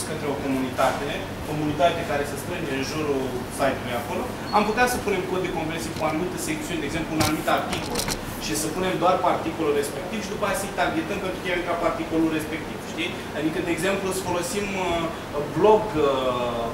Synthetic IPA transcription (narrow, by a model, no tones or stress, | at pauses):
skənt̪ɾeo̞ko̞munit̪at̪e̞ | ko̞munit̪at̪ekaɾe̞səst̪ɾɨneɨnʒuɾulsajt̪ulujako̞lo̞ | amput̪easəpune̞mkod̪ːe̞ko̞mpɾesivkuanumit̪əse̞k̚t̪siund̪eɡze̞mplunanumit̪art̪iko̞l | ʃisəpune̞md̪oarpart̪iko̞lure̞spe̞k̚t̪ivʃid̪upajasəit̪aɡiet̪əmkənt̪uk̪ʲevemkapart̪iko̞lure̞spe̞k̚t̪iv̥ʃt̪i | ad̪ikəd̪eːɡze̞mplusfo̞lo̞sim | blo̞ɡ